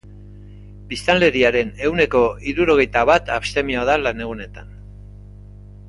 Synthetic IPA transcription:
bist̪anle̞ɾiaɾe̞ne̞wne̞ko̞iɾuɾo̞ɣ̞e̞jt̪aβat̪apst̪e̞mioðalane̞ɣ̞une̞t̪an

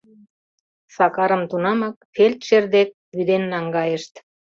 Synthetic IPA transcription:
sɑkɑɾə̆mt̪unɑmɑk̚felʲt̪ʃerd̪ek̚βyd̪enːɑŋɡɑjəʃt̪

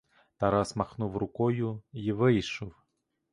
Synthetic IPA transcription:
t̪aɾasmaxnuwrʊkɔjuivɪjʃɔw

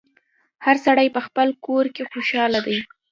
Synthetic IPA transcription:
haɾsaɽajpəxpəlkoɾkexoʃɑlad̪aj

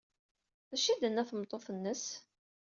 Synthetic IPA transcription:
θæʃid̪ənːæθmt̪ˤːoθənːəs

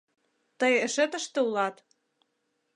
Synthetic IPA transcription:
t̪ɤjĕʃĕt̪ə̆ʃt̪ĕulɑt̪

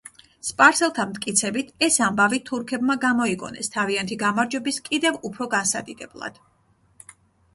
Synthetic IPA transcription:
spʼaɾsɛlˠt̪ʰamt̪ʰkʼit̪sʰɛbit̪ʰɛsambavit̪ʰuɾkʰɛbmaɡamɔikʼɔ̰nɛ̰st̪ʰaviant̪ʰiɡamaɾd͡ʒwɛbiskʼid̪ɛvupʰɾɔɡansad̪id̪ɛblˠa̰d̪̥

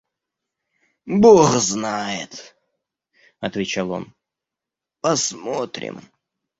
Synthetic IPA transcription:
boxznajɪt̪ | ɐt̪vʲɪt͡ɕalˠo̞̰n | pɐsmot̪ɾʲɪ̰m

